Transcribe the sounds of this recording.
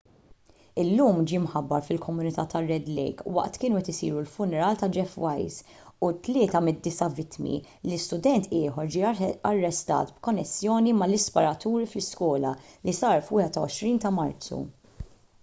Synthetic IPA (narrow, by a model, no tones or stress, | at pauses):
ɪlːuːmd͡ʒiːmħɐbːɐɾfɪlkʰɔmʊnɪt̪ɐːt̪ɐrːɛd̪lɛ̰jkwɐ̰ʔt̪kɪːnuɛt̪ɪsḭːɾulfʊnɛɾɐːlt̪ɐd͡ʒɛfwɐjz | ut̪lɪːt̪ɐmɪd̪ːɪsɐvɪt̪mḭ | lɪst̪ʊd̪ɛnt̪ʰɪːħɔɾd͡ʒiːɐrːɛst̪ɐ̰ːt̪bkɔnːɛsːjɔːnimɐlɪspɔɾɐt̪uːɾiflɪskɔːlɐlisɐːɾfwɪːhɛt̪ɐɔ̰ʃɾiːnt̪ɐmɐɾtt͡sṵ